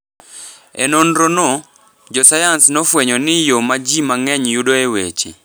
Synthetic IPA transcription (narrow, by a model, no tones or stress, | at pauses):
ɛ̰nɔnɾonɔ | d͡ʒɔsajansnɔfwɛɲɔnɪjomad͡ʒimaŋɛɲjudoewḛt͡ʃḭ